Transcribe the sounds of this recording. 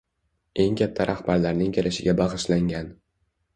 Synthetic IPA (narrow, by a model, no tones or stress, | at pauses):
e̞ŋkʲʰat̪ʰːaɾʔahbaɾlaɾnɪŋkʲelʔɪʃɪɡʲabɑʁɨʃlaŋɡʲan